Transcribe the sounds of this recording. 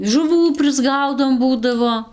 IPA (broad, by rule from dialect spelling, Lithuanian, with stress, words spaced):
ʒʊˈʋuː pʲrʲɪzˈɡɐʊdoːm ˈbuːdɐʋoː